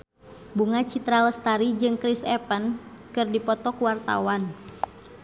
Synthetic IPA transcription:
buŋat͡ʃit̪ɾaləst̪aɾid͡ʒɨŋkɾisɛpən | kɨrdipɔt̪ɔkuwart̪a̰wan

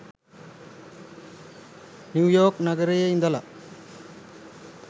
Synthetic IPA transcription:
njuːjoːknɐɡɐɾejeind̪ɐlɐ

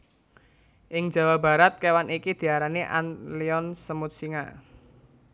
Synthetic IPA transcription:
ʔɪŋd͡ʒa̤waba̤ɾat̪̚kewanikid̪̥i̤aɾaneʔa̰nliɔnsəmʊt̪̚siŋa̰

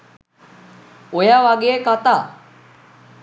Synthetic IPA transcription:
ojaʋaɡeːkat̪aː

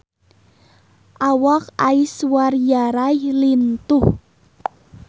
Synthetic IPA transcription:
ʔawakaiswarjaɾajlint̪uh

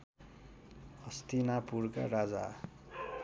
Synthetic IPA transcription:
ʌst̪inapurka̰rad͡za̰

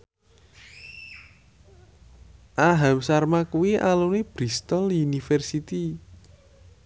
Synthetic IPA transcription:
ʔaɦamsarmakuwiʔalunib̥ɾist̪ɔlunifɛrsit̪i

